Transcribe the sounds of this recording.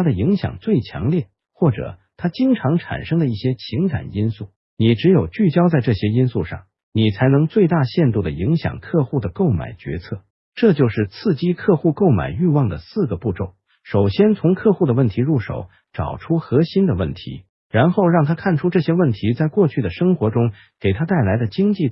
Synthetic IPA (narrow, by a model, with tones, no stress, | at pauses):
t̪ʰa˥d̪ə˨i˧˥ŋɕjɑ̰˨˩ŋt͡swe˥˩ɪt͡ɕʰjɑ̰˧˥ŋljɛ˥˩ | xwɔ˥˩ʈ͡ʂɤ̰˨˩t̪ʰa˥t͡ɕi˥ŋʈ͡ʂʰɑ˧˥ŋʈ͡ʂʰa̰˨˩nʂɤ˥ŋd̪ə˨˧i˥˩ɕjɛ˥t͡ɕʰi˧˥ŋka̰˨˩ni˥nsu˥˩ | ni˨˩ʈ͡ʂɻ̩˧˥jo˨˩ʊt͡ɕy˥˩t͡ɕjɑ˥ʊt͡sa˥˧ɪʈ͡ʂɤ˥˩ɕjɛ˥i˥nsu˥˧ʂɑ̰˥˩ŋ | ni˨˩t͡sʰa˧˥ɪnɤ˧˥ŋt͡swe˥˧ɪt̪a˥˧ɕjɛ˥˧nt̪u˥˩d̪ə˩i˧˥ŋɕjɑ̰˨˩ŋkʰɤ˥˧xu˥˩d̪ə˩ko˥˩ʊma̰˨˩ɪt͡ɕɥɛ̰˧˥t͡sʰɤ˥˩ | ʈ͡ʂɤ˥˧t͡ɕjo˥˧ʊʂɻ̩˥˩t͡sʰɹ̩˥˩t͡ɕi˥kʰɤ˥˧xu˥˧ko˥˩ʊma̰˨˩ɪy˥˧wɑ˥˩ŋd̪ə˩sɹ̩˥˩ɡə˩pu˥˧ʈ͡ʂo˥˩ʊ | ʂo˨˩ʊɕjɛ˥nt͡sʰʊ˧˥ŋkʰɤ˥˧xu˥˩d̪ə˩wə˥˩nt̪ʰi˧˥ɻu˥˩ʂo̰˨˩˦ʊ | ʈ͡ʂɑ̰˨˩ʊʈ͡ʂʰu˥xɤ˧˥ɕi˥nd̪ə˨wə̰˥˩nt̪ʰḭ˧˥ | ɻa˧˥nxo˥˧ʊɻɑ˥˩ŋt̪ʰa˥kʰa˥˩nʈ͡ʂʰu˥ʈ͡ʂɤ˥˩ɕjɛ˥wə˥˩nt̪ʰi˧˥t͡sa˥˧ɪkwɔ˥˧t͡ɕʰy˥˩d̪ə˩ʂɤ˥ŋxwɔ˧˥ʈ͡ʂʊ˥ŋ | ke˨˩ɪt̪ʰa˥t̪a˥˩ɪla˧˥ɪd̪ə˧t͡ɕi˥ŋt͡ɕi˥˩